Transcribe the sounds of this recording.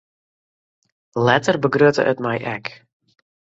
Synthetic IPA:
lɛtərbəɡrøtə̰ʔə̰tmajʔɛk

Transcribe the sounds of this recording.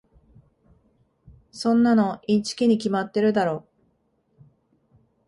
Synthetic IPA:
sõ̞nːano̞ĩɲt͡ɕi̥kʲiɲ̟ik̬ʲimat̪ːe̞ɾɯ̟d̪aɾo̞ː

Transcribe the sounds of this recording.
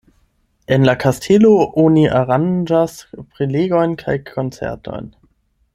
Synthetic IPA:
ʔenlakʰastʰeloʔoniʔaʁand͡ʒaspʁ̥eleɡojnkʰa̰jkʰont͡sɛ̰ʁtʰo̰jn

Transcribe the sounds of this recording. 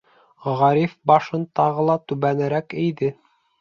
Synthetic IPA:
ʁɑɾifbɑʃɤnt̪ɑʁɤlˠɑt̪ʉβænɘ̆ɾækɘ̆jðɘ

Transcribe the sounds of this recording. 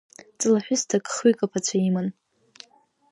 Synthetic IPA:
t͡sʼɨlaħʷᶣʊstʰakʼχukʼapʰat͡ɕʷʰaiman

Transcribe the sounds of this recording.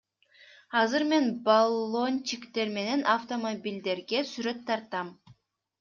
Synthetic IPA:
ɑzɯɾme̞nbalˠo̞nʲt͡ʃikt̪e̞ɾme̞ne̞naft̪o̞mobʲilʲd̪e̞ɾɡe̞syɾø̞t̪ʰːɑɾt̪ɑm

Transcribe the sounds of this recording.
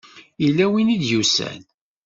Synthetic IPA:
ilːæwinid̪jusæ̰n

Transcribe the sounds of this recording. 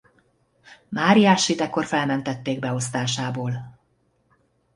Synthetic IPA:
maːɾijaːʃit̪ɛkːo̞rfɛlmɛnt̪ɛt̪ːeːɡ̚bɛo̞st̪aːʃaːboːl

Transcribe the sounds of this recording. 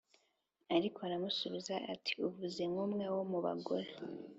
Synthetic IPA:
aɾikoaɾamusuβizaʔatʰi̥uvuze̞mŋumŋawomuβa̰ɡoɾe

